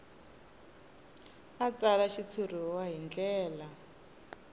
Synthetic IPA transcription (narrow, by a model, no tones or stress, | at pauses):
at͡salaʃit͡sʰur̤iwaɦind͡ɮɛːla